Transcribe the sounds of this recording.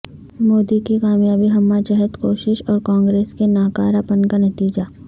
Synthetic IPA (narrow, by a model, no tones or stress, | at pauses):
moːd̪ikikaːmjaːbiɦɐmːad͡ʒɐɦət̪koːʃɪʃɔːɾkãːŋɡɾeːskenaːkaːɾapənkanɐt̪iːd͡ʒaː